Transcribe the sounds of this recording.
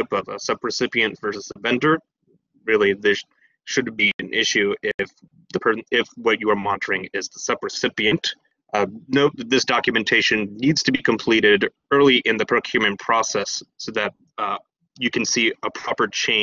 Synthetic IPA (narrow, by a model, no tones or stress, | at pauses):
ɪpʌvə̰sʌpɹɨsɪpiɨ̃ntv̥ɜ˞sɨsəvɛ̃ndə˞ | ɹɪlˠiðɪ | ʃɨdbiɨ̃nʔɪʃʉɪf | ðɨpʰɜ˞ɪfwʌt͡ʃɨə˞mɑ̃ntʰə˞ɪ̃ŋɪzðəsʌpɹɨsɪpiɨ̃nʔ | noʊt̚ðɪsd̥ɑkjɨmɨ̃ntʰeɪʃɨ̃nːidz̥tʰɨbikʰɨ̃mpʰl̥iɾɪɾ | ɜ˞lˠiʔɨ̃nðɨpʰɹ̥oʊkʰj̥ʉmɪ̃ŋpʰɹ̥ɔsɛssoʊðɨt̚ | jɨkɨ̃n̩siəpʰɹ̥ɑpə˞t͡ʃʰẽɪ̃